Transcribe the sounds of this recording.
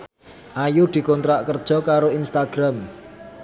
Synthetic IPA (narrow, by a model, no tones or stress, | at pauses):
ʔajud̪̥i̤kɔnt̪ɾaʔkərd̥ʒ̥ɔ̤kaɾoinst̪aɡ̥ɾam